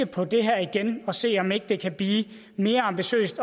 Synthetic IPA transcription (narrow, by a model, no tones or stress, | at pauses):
əpʰɒ̽d̥e̝ɦæɐ̰iɡ̥enɒ̽se̝̰ːɒ̽me̝ɡ̥əd̥e̝kʰæb̥liː | me̝ːɐɑ̈mb̥iɕø̰ːsd̥